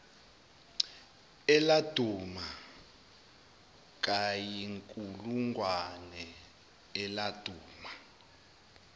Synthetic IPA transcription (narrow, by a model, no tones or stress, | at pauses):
ɛlad̥ʱuma | k̬ʼajiŋkʼuluŋɡwanɛ | ɛlad̥ʱuːma